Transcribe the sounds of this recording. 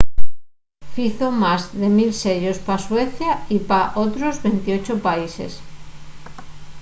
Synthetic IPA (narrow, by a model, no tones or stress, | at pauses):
fiθomazðemilseʎospasweθjaipaʔot̪ɾozβent̪iot͡ʃopaisḛs